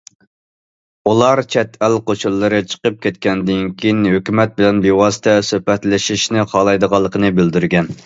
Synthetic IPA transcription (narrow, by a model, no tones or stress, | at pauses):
ulˠɑɾt͡ʃʰɛt̪ælqʰoʃulˠːɨɾɨt͡ʃʰə̥qəp̚kʲʰɛt̪̚kʲɛnd̪ɪnkʲʰijnhøkʲymɛt̪̚bɪlɛnbewɑːsə̥t̪ʰɛsøhpɛt̪lɪʃiʃnɪqʰɑlˠɑjd̪əʁɑlˠːəqʰənɨbɪld̪yɾɡʲɛn